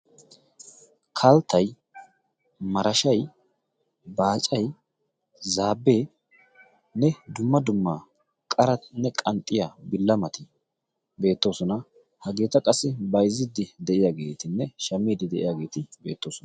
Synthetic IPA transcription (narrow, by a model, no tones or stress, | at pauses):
kʰɐlt̪ɐj | mɐɾɐʃɐj | baːt͡ʃʼɐj | zaːbːe̞ː | nɛd̪ʊmːɐd̪ʊmːa | kʼɐɾɐnɛkʼɐnt̪ʼːɪjabɪlːɐmɐt̪ɪ | be̞ːt̪ːo̞ːsɔnɐ | hɐɡe̞ːt̪ɐkʼɐsːɪbɐjzɪd̪ɪd̪ɛʔɪjaːɡe̞ːt̪ɪnːɛʃɐmːiːd̪ɪd̪ɛʔɪjaːɡe̞ːt̪ɪbe̞̰ːt̪ːo̞ːsɔn